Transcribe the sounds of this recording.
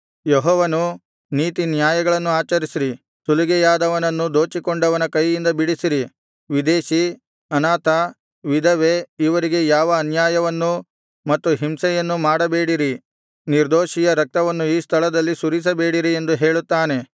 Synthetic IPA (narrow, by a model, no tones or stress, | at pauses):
jeɦɔːʋɐnu | niːt̪injaːjɐɡɐɭɐnːuaːt͡ʃɐɾisiɾi | suluɡɛjaːd̪ɐʋɐnɐnːud̪o̞ːt͡ʃikoɳɖɐʋɐnɐkɐjːind̪ɐbiɽisiɾi | ʋid̪e̞ːʃi | ɐnaːt̪ɐ | ʋid̪ʱɐʋe̞iʋɐɾiɡe̞jaːʋɐːnjaːjɐʋɐnːu | mɐt̪ːuɦimsɛjɐnːumaːɽɐbe̞ːɽiɾi | niɾd̪oːʃijɐɾɐk̚t̪ɐʋɐnːuiːst̪ʰɐɭɐd̪ɐlːisuɾis̬ɐbe̞ːɽiɾie̞nd̪uɦe̞ːɭut̪ːaːne̞